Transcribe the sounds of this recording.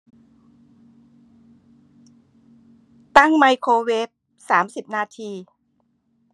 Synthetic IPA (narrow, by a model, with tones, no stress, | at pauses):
t̪a˥˩ŋma˧jkʰoː˧weː˦˥p̚ | saː˩˦msi˨˩p̚naː˧t̪ʰiː˧